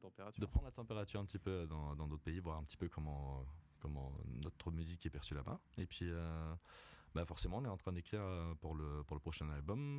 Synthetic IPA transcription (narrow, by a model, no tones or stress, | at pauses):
t̪ɑ̃peat̪d̪əpχɑnd̪ʁlat̪ɑ̃peʁat̪yʁɛ̃pət̪ipød̪ɑ̃d̪ɑ̃d̪ot̪χəpeivwaʁɛ̃pət̪i̥pøkɔmɑ̃kɔmɑ̰̃nɔt̪χəmyzikɛpɛʁsylamɛ̰̃ | epɥiø | bafɔʁsemɑ̃ɔ̃nɛt̪ɑ̃t̪χɛ̃d̪ekχiʁøpuʁləpuʁləpχɔʃɛ̃nalbɔm